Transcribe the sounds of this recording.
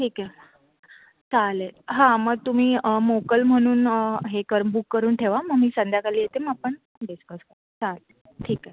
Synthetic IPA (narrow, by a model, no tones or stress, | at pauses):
ʈʰiːkɛ | t͡saleɦãməɡ̚t̪um̤iːəmokəlm̤əɽ̃uːnɦekəɾbukːəɾuːnʈʰeʋaməɡmiːsənd̪ʱjakaliːjet̪eməapəɳ | ɖiskəskəɾt͡sale | ʈʰiːkɛ